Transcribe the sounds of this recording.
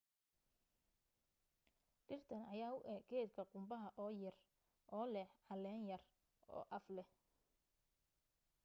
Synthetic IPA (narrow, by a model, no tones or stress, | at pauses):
ɖɪrt̪ʰɐnɐjaːʊʔɛɡɛːd̪kʰɐqʊmbɐɦɐʔɔːjɐr | ʔɔːlɛħʕɑlɛːnjɐr | ʔɔ̰ːʔɐflɛ